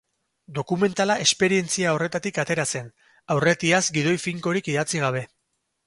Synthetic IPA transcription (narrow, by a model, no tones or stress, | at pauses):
d̪o̞kume̞nt̪alaʔe̞spe̞ɾie̞nt͡siao̞re̞t̪at̪ikat̪e̞ɾase̞n | awre̞t̪iazɡið̞o̞jfiŋko̞ɾikiðat͡siɣ̞aβ̞e̞